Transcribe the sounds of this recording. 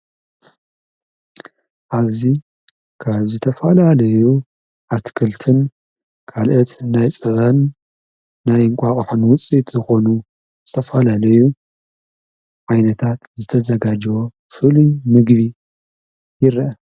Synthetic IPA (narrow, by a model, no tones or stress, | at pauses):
ʔaβzi | kʰaβzɨt̪ʰɐfɐlalɐju | ʔat̪ʰkʰɨlt̪ʰɨn | kʰalʔɐt̪ʼnajt͡sʼɐβanː | ajɨŋkʷʼaχʼħɨnwʊt͡sʼit̪zɨxo̞nu | z̥ɨt̪ʰɐfɐlalɐju | ʕajnɐt̪ʰat̪zɨt̪ʰɐzɐɡad͡ʒwo̞ | fɨlimɨɡβi | jɪɾʔɐ